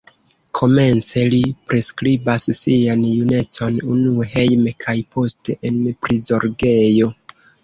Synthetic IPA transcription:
kʰo̞me̞nt͡se̞lipɾe̞skɾibassianjune̞t͡so̞nunuehe̞jmekʰajpʰo̞ste̞ʔenpɾizo̞ɾɡe̞jo̞

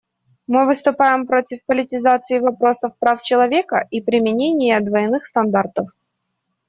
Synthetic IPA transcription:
mɨvɨst̪ʊpajɪmpɾotʲɪfpəlʲɪtʲɪzat̪sɨɪvɐpɾo̞səfpɾaft͡ɕɪlˠɐvʲekəʔipɾʲɪmʲɪnʲenʲɪjəɐd̪vɐjɪnɨxst̪ɐnd̪art̪əf

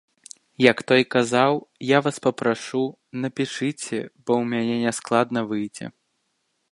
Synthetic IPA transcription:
jɐkt̪ɔjkazawjavaspɐpɾaʂu | nɐpʲɛʂɨt͡sʲɛ̰b̥ɔwmʲanʲɛnʲɛsklˠad̪nɐvɨjd͡zʲɛ̰

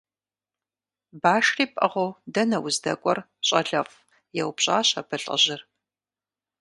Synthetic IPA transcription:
baːʃriːpʼɐ̰ʁʷodɐnɐwʊzdɐkʷʼɔr | ɕʼɐɮɐf | jɛwpɕʼa̰ːɕɐpʰɨɬʼɐ̰ʑɪr

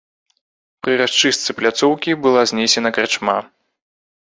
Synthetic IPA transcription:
pɾɨɾast͡ʂɨst̪sɨplʲat̪sɔwkʲibɨlˠazʲnʲesʲɛnɐkɾɛt͡ʂma

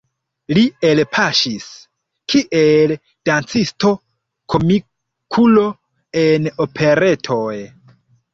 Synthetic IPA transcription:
lie̞lpʰaʃis | kʰiʔel | d̥ant͡sisto̞ | kʰo̞mi | kʰulo̞ | e̞no̞pʰe̞ɾe̞tʰo̞j

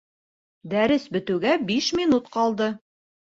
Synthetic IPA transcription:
d̪æɾɘsbɘ̆t̪ɘ̆ɡæbiʃmʲinut̪qɑlˠd̪ɤ

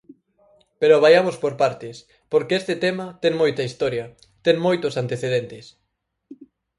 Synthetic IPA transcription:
peɾoβajamospoɾpaɾt̪ɪs | poɾkeest̪et̪emɐt̪ɛŋmojt̪ɐist̪ɔɾjɐ | t̪eŋmojt̪ʊsant̪eθeðent̪ɪs

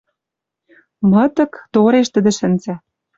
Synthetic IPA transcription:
mɤ̆t̪ɤ̆kt̪oɾeʃt̪ə̆d̪ɘ̆ʃɘ̆nzɘ̆

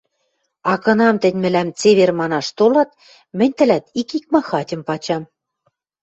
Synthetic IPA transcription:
ɑkɤ̆nɑmt̪ɘ̆nʲmɘ̆læmt͡seβermɑnɑʃt̪olɑt̪̚ | mɘ̆nʲt̪ɘ̆læt̪ikik̚mɑxɑtʲɤ̆mpɑt͡ɕɑm

